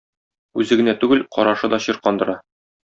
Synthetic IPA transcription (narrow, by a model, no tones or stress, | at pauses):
ʉzɘ̆ɡɘ̆næt̪ʉɡɘlqɒ̰ɾɑʃɤd̪ɒɕɤɾqɒnd̪ɤ̆ɾɑ